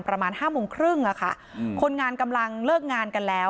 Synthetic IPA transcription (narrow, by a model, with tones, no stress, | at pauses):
npɾa˧maː˧nhaː˥˩moː˧ŋkʰɾɯ˥˩ŋʔa˨˩kʰa̰˥˩ | kʰo˧nŋaː˧nka˧mla˧ŋlɤː˥˩k̚ŋaː˧nka˧nlɛː˦˥